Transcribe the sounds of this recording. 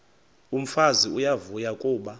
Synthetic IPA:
um̩faziujavujakʼuːɓa

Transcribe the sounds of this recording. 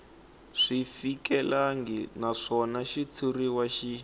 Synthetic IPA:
ʂifikɛlaŋɡɛnaʂɔnaʃit͡sʰuriwaʃi

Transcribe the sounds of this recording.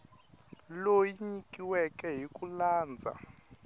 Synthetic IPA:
lojiɲikʼiwɛkʼɛɦikʼulaːnd͡zʱa̰

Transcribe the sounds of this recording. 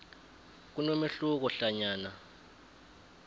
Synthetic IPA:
k̬unomeɬuk̬ɔɬaɲaːna

